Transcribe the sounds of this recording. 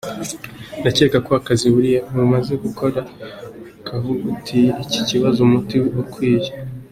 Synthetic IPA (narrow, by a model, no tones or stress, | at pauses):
nacekako̞akaziβuɾijauumaze̞ɡukʰo̞ɾa | kʰavuɡutʰiːci̥ciβazomutiukwiːje